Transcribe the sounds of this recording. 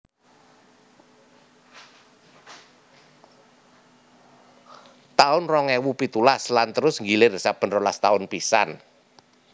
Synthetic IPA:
t̪aʊnrɔŋɛwupit̪ulaslant̪əɾʊsŋɡileɾsapənrɔlast̪aʊnpisa̰n

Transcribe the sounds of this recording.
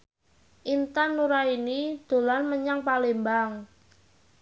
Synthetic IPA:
ʔint̪anːuɾainid̪̥o̤lanməɲaŋpalembaŋ

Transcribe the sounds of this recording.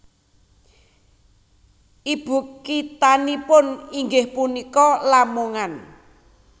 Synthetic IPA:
ʔib̥ṳkːit̪anipʊniŋɡɪhpunikɔlamuŋan

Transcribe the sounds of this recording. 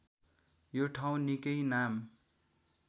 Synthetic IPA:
joʈʰaw̃nikʌjnam

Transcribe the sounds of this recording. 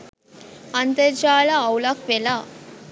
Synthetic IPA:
ɐnt̪et͡ʃaːlaːwlakʋela

